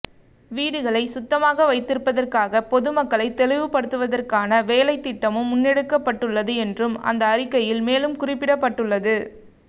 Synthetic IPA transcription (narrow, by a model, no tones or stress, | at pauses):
ʋiːɽɯɣɐɭɐɪsʊt̪ːɐmaːɣɐʋɐɪt̪ːɪɾɯpːɐðɐrkaːɣɐpɔðɯmɐkːɐɭɐɪt̪ːɛlɪʋɯpɐɽɯt̪ːɯʋɐðɐrkaːnɐʋeːlɐɪt̪ːɪʈːɐmɯmːʊnːɛɽɯkːɐpːɐʈːɯɭːɐðɯɛndrɯmɐ̰nd̪ɐːrɪkːɐjɪlmeːlɯmkʊrɪpːɪɽɐpːɐʈːɯɭːɐðɯ